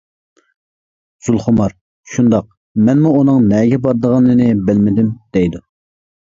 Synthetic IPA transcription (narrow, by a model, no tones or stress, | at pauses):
z̥ulˠχʊmɑɾ | ʃund̪ɑq̚ | mɛnmuunɨŋnɛɡʲɛbɑɾd̪əʁɑnːɨnɨbɪlmɪd̪ɪmd̪̥ɛjd̪u